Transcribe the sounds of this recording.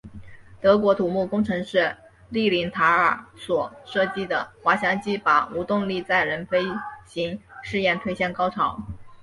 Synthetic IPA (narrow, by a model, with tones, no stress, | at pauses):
t̪ɤ˧˥kwɔ˧˥t̪ʰu˨˩mu˥˩kʊ˥ŋʈ͡ʂʰɤ˧˥ŋʂɻ̩˥˧ | li˥˩li˧˥nt̪ʰa˧˥ə˞˨˩swɔ˨˩ʂɤ˥˧t͡ɕi˥˩d̪ə˩xwa˧˥ɕjɑ˧˥ŋt͡ɕi˥˩pa˨˩u˧˥t̪ʊ˥˧ŋli˥˧t͡sa˥˩ɪɻə˧˥nfe˥ɪɕi˧˥ŋʂɻ̩˥˧jɛ˥˧nt̪ʰwe˥˧ɪɕjɛ˥˩nkɑ˥ʊʈ͡ʂʰɑ˨˧˥ʊ